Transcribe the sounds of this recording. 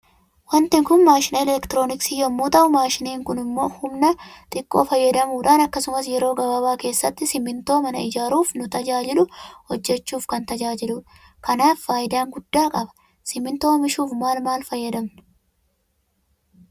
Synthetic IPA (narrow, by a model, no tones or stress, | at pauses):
wɐnt̪ɪŋkʊnmaːʃɪneːlɛlɛkt̪ɪɾo̞ːnɪksiːjɔmːuːt̪ɐʔʊmaːʃɪneːŋkʊnɪmːo̞ːhʊmnɐt̪ʼɪkʼːo̞̰ːfɐjːɐd̪ɐmuːᶑaːnɐkːɐsʊmɐs̬jɛɾo̞ːɡɐbɐbaːke̞ːsːɐt̪ːɪsɪmɪnt̪o̞ːmɐnɐ̰ɪd͡ʒaːɾuːfnʊt̪ɐd͡ʒaːd͡ʒɪlʊhɔd͡ʒːɛt͡ʃːuːfkɐnt̪ɐd͡ʒaːd͡ʒɪlʊ | kɐnaːfːaːjɪd̪aːŋɡʊd̪ːaːkʼɐbɐ̥ | sɪmɪnt̪o̞ːmɪʃuːfmaːlmaːlfɐjːɐd̪ɐmnɐ̥